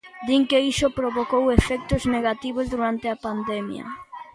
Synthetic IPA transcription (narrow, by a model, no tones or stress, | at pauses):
d̪iŋkeiʃopɾoβokowefɛk̚t̪ozneɣat̪iβozðuɾant̪eapand̪ɛmjɐ̰